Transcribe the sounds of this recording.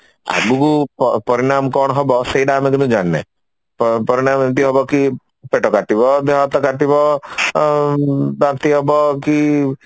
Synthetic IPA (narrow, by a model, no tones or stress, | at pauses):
a̰ɡukuppɔɾiɽ̃amkɔɳɔɦɔbɔseiɖamekinũd͡ʒanːḛ | ppɔɾiɽ̃amit̪iɦɔbɔki | peʈɔkaʈibɔd̪eɦat̪ɔkaʈibɔ | d̪at̪iɦɔbɔki